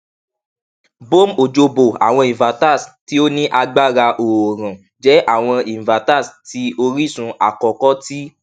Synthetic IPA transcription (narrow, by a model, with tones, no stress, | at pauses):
bo˦mo˨d͡ʒo˧bo˨a̰˨w̃ɔ̃˧i˨va˨ta˦˨sti˦o˦nĩ˦ʔa˧ɡ͡ba˦˨ɾa˧ʔo˨ɾã˨ | d͡ʒɛ˨˦ʔa˦˨w̃ɔ̃˧i˨va˨ta˦˨sti˨˦o˧ɾi˦˨sũ˧a˨kɔ˨kɔ˦ti˦